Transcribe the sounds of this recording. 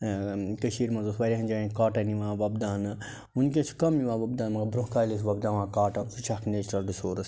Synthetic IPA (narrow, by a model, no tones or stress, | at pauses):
kɐʃiːɾmɐ̃nzosʋɐɾʲiɦɐnd͡ʒaːĩkaːʈɐniʋãːʋɐbd̪aːnɨ | unkʲet͡ʃʰu̥kɐmːiʋãːʋɐb̚d̪aːnmɐɡɐbɾoɦkaːlis̬ʋɐb̚d̪ãːʋãːkaːʈɐsʰut͡ʃʰakneːt͡ʃɾɐlɖisoːɾɐs